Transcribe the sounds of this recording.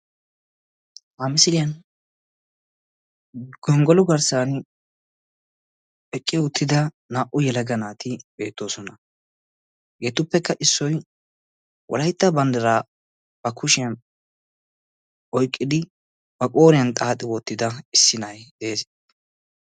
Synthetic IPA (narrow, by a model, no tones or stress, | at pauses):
ʔamɪsɪlɪjɐn | ɡ̥ɔŋɡɔlʊɡɐɾsaːn | ɛkʼːɪʊt̪ːɪd̪ɐ | naːʔʊjɛlɐɡɐnaːt̪ɪbe̞ːt̪ːo̞ːsɔnɐ | ɡeːt̪ʊpːɛkːɐʔɪsːɔj | wʔɔ̰lɐjt̪ːɐbɐnd̪ɐɾaː | b̥ɐkʊʃɪjɐn | ʔɔjkʼːɪd̪ɪ | bɐkʼo̞ːɾɪjɐnt̪ʼaːt̪ʼːɪwɔt̪ːɪd̪ɐɪsːɪnɐjd̪eːs